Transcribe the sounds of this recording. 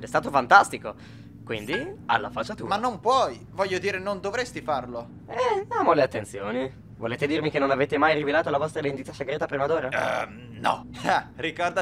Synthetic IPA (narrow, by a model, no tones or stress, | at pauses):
d̪ɛst̪aːt̪ofant̪ast̪iko | kwind̪ia̰lːa̰fat͡ʃːat̪umanːompwɔj | vɔʎːod̪iːɾenond̪ovɾest̪ifarlo | ɛamoleat̪ːent̪sjo̰ːni | voleːt̪ed̪irmikenːonaveːt̪emajɾivelaːt̪olavɔst̪ɾalend̪it̪ːaseɡɾɛːt̪apɾimad̪oːɾa | nɔ̰ɛrikɔrd̪a